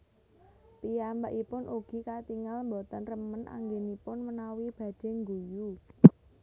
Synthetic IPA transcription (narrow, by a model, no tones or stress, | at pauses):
piambaʔipʊnʔuɡ̥i̤kat̪iŋalmbɔt̪ɔnrəmənʔa̰ŋɡenipʊnmənawib̥ä̤d̥ɛ̤ŋɡuju